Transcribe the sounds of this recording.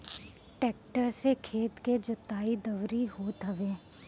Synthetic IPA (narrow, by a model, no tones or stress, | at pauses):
ʈeːk̚ʈəɾsekʰeːt̪ked͡ʒʊt̪ːaːid̪ɐʋɾiɦoːt̪ɦɐʋeː